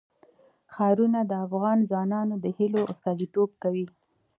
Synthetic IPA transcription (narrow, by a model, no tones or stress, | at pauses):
xɑɾunad̪əafɣɑnzwɑnɑnod̪əhiloʔʊst̪ɑzit̪ob̚kawi